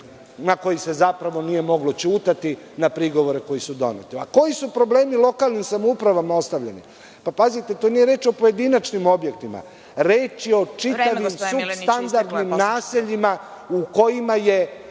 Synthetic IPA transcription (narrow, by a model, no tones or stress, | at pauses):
nako̞jise̞zapɾaʋo̞nije̞mo̞ɡlo̞t͡ɕuːt̪at̪i | napɾiɡo̞ʋo̞ɾe̞ko̞jisud̪o̞̰nḛt̪ia̰ko̞jisupɾo̞ble̞ːmilˠo̞kaːlˠnimsamoupɾaʋamao̞st̪aʋʎenḭ | papazit̪e̞t̪onijeɾe̞ːt͡ʃo̞po̞jed̪inat͡ʃnimo̞bje̞k̚t̪ima̰ | ɾeːt͡ʃio̞t͡ʃit̪aʋimsust̪and̪aɾd̪nnimnaːseʎima | uko̞jimaje̞